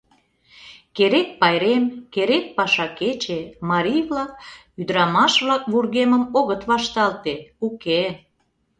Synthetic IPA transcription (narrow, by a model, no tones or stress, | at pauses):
keɾek̚pɑjɾemkeɾek̚pɑʃɑket͡ɕemɑɾʲijβlɑk̚ | yd̪əɾɑmɑʃβlɑkβurɣeməmoɣət̪βɑʃt̪ɑlt̪euke